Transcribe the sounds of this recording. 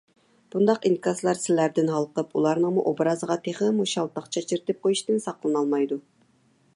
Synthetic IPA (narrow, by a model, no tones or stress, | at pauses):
b̥und̪ɑqinkʰɑzlˠɑɾsɪlæɾd̪ɪnɦɑlˠqəpulˠɑɾnəŋmuʔobɾɑzəʁɑt̪ʰeχɨmuʃɑlˠt̪ʰɑχt͡ʃʰɑt͡ʃʰiɾt̪ɪp̚qʰojuʃt̪ɨnsɑqlˠɨnɑlˠmɑjd̪u